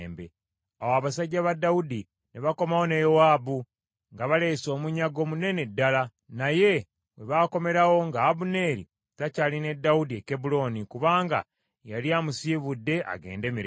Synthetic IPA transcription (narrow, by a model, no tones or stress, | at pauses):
mbḛ | awaβasaɟːaβadːaudi | neβako̞mawo̞nejowaːbu | ŋɡaβale̞ːso̞ːmuɲaɡo̞ːmune̞ne̞dːala | naje̞ | βe̞βaːko̞me̞ɾawo̞ŋɡaːβune̞ɾḭ | tacaːline̞dːawudiekebulo̞nikuβaːŋɡa̰ | jaliaːmusiβudːe̞ʔa̰ɡe̞̰ːnde̞ːmiɾ